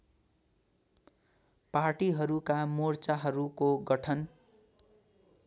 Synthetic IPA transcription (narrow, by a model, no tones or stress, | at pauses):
parʈiɦʌɾukamort͡saɦʌɾukoɡʌʈʰʌn